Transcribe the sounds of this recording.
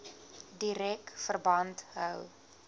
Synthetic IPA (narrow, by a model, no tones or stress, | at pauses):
diɾɛkfərbɐntɦəw